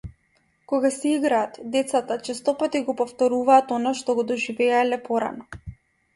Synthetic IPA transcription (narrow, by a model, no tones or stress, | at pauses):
kɔɡasɛiɡɾaːt̪d̪ɛt̪sat̪at͡ʃɛst̪ɔpat̪iɡɔpɔft̪ɔɾuvaːt̪ɔnaʃt̪ɔɡɔd̪ɔʒivɛalɛpɔɾa̰nɔ